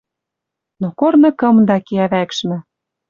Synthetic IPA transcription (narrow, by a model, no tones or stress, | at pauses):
nokornɤ̆kɤ̆md̪ɑkeæβækʃmɘ̆